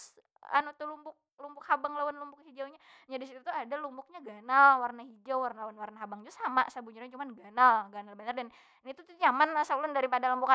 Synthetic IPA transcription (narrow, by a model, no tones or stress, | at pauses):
a̰nut̪ulumbʊk̚lumbʊk̚habaŋlawanlumbʊk̚hid͡ʒawɲa | ɲadisit̪ut̪uadalumbʊk̚ɲaɡanalwarnaɦid͡ʒawwarnalawanwarnaɦabaŋd͡ʒusama̰sabuɲuɾaɲt͡ʃumanɡanalɡanalbanardan | nit̪ut̪uɲamansaulʊndaɾipadalumbuka